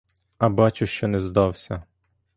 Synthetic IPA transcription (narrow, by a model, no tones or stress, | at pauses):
ɐbɑt͡ʃʊʃt͡ʃɔnɛzd̪ɑwsʲɐ